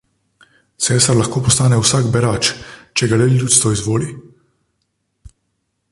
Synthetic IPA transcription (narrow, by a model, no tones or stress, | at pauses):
sɛːs̬t̪aɾlaxkoːpɔst̪aːnɛwsaːɡbɛɾaːt͡ʃt͡ʃɛɡalɛlʲjuːt̪st̪vɔizʋoːli